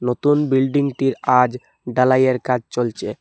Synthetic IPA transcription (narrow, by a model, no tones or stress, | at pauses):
not̪unbilɖiŋɡʈiɾad͡ʒ | ɖalajeɾkad͡ʒt͡ʃolt͡ʃʰe